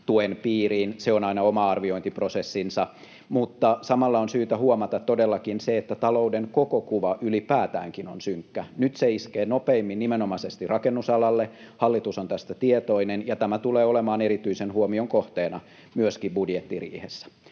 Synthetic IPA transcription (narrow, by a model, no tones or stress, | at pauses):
t̪uenpiːriːnseonɑinɑomɑɑrʋioint̪iprosesːinsɑ | mut̪ːɑsɑmɑlːɑonsyːt̪æhuomɑt̪ɑt̪t̪ːodelːɑkinseet̪ːæt̪ɑloudeŋkokokuʋɑʔylipæːt̪æ̰ːŋkinonsyŋkːænyt̪seiskeːnopeimːinnimenomɑsest̪irɑkenːusɑlɑlːehɑlːit̪usont̪æst̪æt̪iet̪oinenjɑt̪æmæt̪uleːolemɑːneɾit̪yisenhuomioŋkoht̪eːnɑ | myøskibbudjet̪ːirḭːhesːæ̥